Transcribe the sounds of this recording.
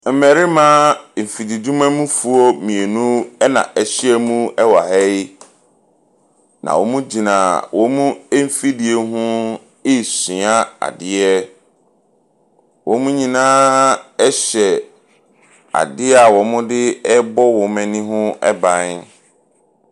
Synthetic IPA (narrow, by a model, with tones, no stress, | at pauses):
m̩˨mɛ˨ɾi˦mã˦m̩˨fi˨di˨du˦mã˦mũ˦fu˨ɔ˦mĩ˨e˨nũ˦ɛ˦nã̰˨ʔɛ˨ɕɪ˦ɛ˦mũ˦ɛ˦wa˨hɛ˦j | nã̰˨wɔ˨˦mũ˦d͡ʑi˨nã˨wʔɔ̃˨˦mũ˦e˦m̩˦fi˦di˨e˨ɦʊ̃˦ | ɪ˦sĩ˨a˦a̰˨dɪ˦ɛ˦ | wɔ̃˨˦mũ˦ɲĩ˨nãː˦ɛ˦ɕɛ˨ | a̰˨dɪ˦ɛ˦a˨wɔ̃˨mʊ̃˦dɪ˦ɛ˦bɔ˦wɔ̃˨mɛ̃˨nĩ˦ɦʊ̃˦ɛ̰˦bã˨n